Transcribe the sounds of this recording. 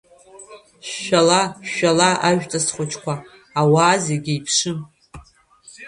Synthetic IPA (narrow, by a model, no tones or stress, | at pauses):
ʃʷᶣalaʃᶣalaʔaʒᶣtʼasχʷʊt͡ʃʰʼkʷaː | waːzeɡʲiipʰʂɨm